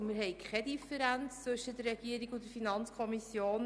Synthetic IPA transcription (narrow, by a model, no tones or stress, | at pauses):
mɪɾɦɛɪkχɛdifəɾænt͡st͡sʋɵʃədərɛɡ̥iəɾiɡʊntdəɾfinɑnt͡skʰɔmisjoːn